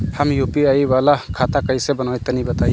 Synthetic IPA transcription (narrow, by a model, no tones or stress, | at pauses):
həmjupiaiwalakʰat̪akəjsebənajt̪ənibət̪aj